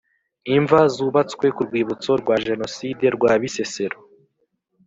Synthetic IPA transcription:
iɱvazuːβat͡skwe̞kuɾɡwiːβut͡so̞ɾɡwaʒe̞no̞side̞ɾɡwaβise̞se̞ɾo

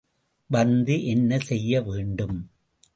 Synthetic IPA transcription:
ʋɐnd̪iʔɛnːɐsɛjːɐʋeːɳɖɯm

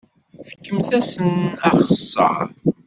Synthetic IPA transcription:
fə̥kːəmθæsənæχəsːə̰ɾ

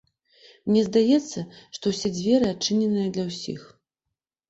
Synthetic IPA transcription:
mnʲɛzd̪ajɛt̪sːɐʂt̪ɔwsʲɛd͡zʲvʲɛɾɨat͡ʂːɨnʲɛnɨjɐd̪lʲɐwsʲḭx

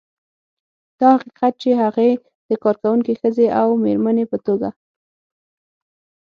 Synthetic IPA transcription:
d̪̥ɑhaqiqat̪̚t͡ʃeɦaɣe | d̪̥əkɑɾkawuŋkixəzeʔawmeɾmanepət̪oɡa

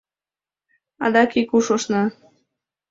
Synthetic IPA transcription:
ɑd̪ɑkikuʃoʃnɑ

